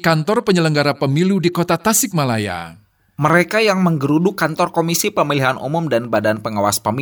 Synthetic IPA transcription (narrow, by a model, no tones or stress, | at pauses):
kant̪ɔrpəɲələŋɡaɾapəmiludikot̪at̪asɪk̚malaja̰ | məɾekajaŋməŋɡəɾudukant̪ɔrkomisipəmiliɦanʔṵmʊmdanbadanpəŋawa̰spəmi